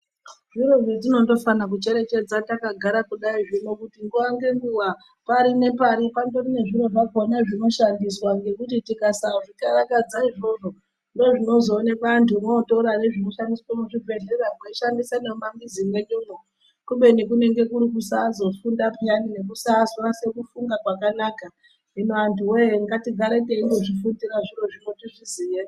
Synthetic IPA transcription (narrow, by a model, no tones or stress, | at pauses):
ʐiɾo̞ʐed͡zino̞ndo̞fanak̬ut͡ʃe̞ɾe̞t͡ʃe̞d͡zatakaɡʱaɾakuɗaiʐinokutiŋɡuʋaŋɡe̞ŋɡuʋa | paɾine̞paɾipandorine̞ʐiɾo̞ʐakonaʐino̞ʃandiswaŋɡe̞kutitikasaʐikaɾakad͡zaiʐo̞ʐo̞ | ndo̞ʐino̞zo̞ːne̞kantʰumoːtouɾane̞ʐinoʃandiswomuʐibʱe̞ɮeraɡoiʃandisaneumambid͡zimwe̞ɲuːmo | kuɓe̞nekune̞ŋɡe̞kuɾikusazo̞fundapeanine̞k̬usaːzoase̞kufuŋɡakwakanaːka | inoantʰuweŋɡatiɡʱaɾeteiŋdo̞ʐifundiɾaʐiro̞ʐimwo̞tiʐizije